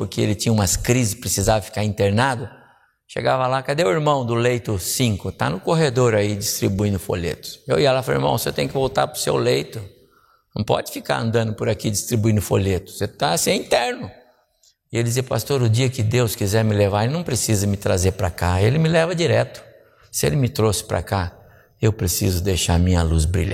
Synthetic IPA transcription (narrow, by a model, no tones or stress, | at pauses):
pʊɾkeḛlɪt͡ʃĩɲɐũmɐskɾizɪspɾesizavɐfi̥kaɾĩnt̪eɾnad̪ʊ | ʃḛɡavɐlakad̪ewʊiɾmɐ̃w̃d̪ʊlejt̪ʊsĩŋkʊt̪a̰nʊkoɦed̪oɾaid͡ʒist̪ɾibuĩnd̪ʊfo̰ʎḛt̪ʊ̥sewiɛlaflo̰ḭɾmɐ̰̃w̃sɪewt̪ẽɲ̃ʊkɪvowt̪a̰ɾpɾʊsḛwlejt̪ʊ | nɐ̰̃w̃pɔ̰d͡ʒɪfika̰ɾɐ̰̃nd̪ɐ̃nd̪ʊpʊɾakid͡ʒist̪ɾibuĩnd̪ʊfoʎet̪ʊ̥set̪asẽĩnt̪ɛɾnʊ | ɪelɪd͡ʒɪziɐpast̪oɾʊd͡ʒiɐkɪd̪ewskizɛɾmɪlevaɾelɪnɐ̃w̃pɾesizɐmɪt̪ɾazeɾpɾakaelɪmɪlɛvɐd͡ʒiɾɛt̪ʊ̥ | sɪḛlɪmɪt̪ɾosɪ̥pɾa̰ka | ewpɾesḭzʊd̪ejʃaɾmĩɲɐluzbɾḭʎ̃